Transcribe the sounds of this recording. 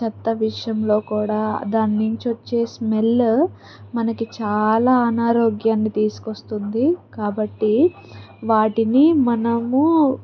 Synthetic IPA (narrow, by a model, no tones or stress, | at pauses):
t͡ʃɐt̪ːɐʋiʂɐjɐmlo̞ːkuːɽaːd̪aːnːuɲt͡ʃot͡ʃːe̞ːsmelː | mɐnɐkit͡ʃaːlaːɐnaːɾoːɡjaːnːit̪iːsu̥kost̪und̪ikaːbɐʈːi | ʋaːʈinimɐnɐmu